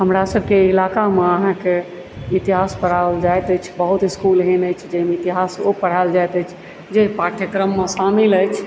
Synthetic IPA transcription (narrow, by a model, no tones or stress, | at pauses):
ɦəmɾasəbkeilakameəɦãke | it̪iɦaspəɽ̤aəld͡ʒajt̪əjt͡ʃʰbəɦut̪iskulɦɛnəjt͡ʃʰd͡ʒemeit̪iɦasopəɽ̤ald͡ʒajt̪ət͡ʃʰ | d͡ʒepɾaʈjəkɾəmːesamiləjt͡ʃʰ